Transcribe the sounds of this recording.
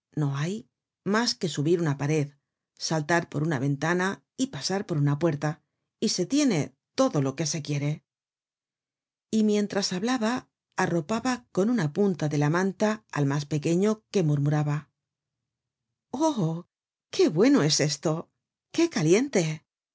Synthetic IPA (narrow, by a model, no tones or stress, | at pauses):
no̞aj | maske̞suβiɾunapaɾe̞ð | salt̪aɾpo̞̰ɾunaβe̞nt̪ana | ipasaɾpo̞ɾunapwe̞ɾt̪a | ise̞t̪je̞ne̞ | t̪o̞ðo̞lo̞ke̞se̞kje̞ɾe̞ | imjẽ̞nt̪ɾasaβlaβaː | ro̞paβako̞nunapunt̪aðe̞lamãnt̪aa̰lmaspe̞ke̞ɲo̞ke̞muɾmuɾaβa | o | ke̞βwe̞no̞e̞se̞st̪o̞ | ke̞kalje̞nt̪e̞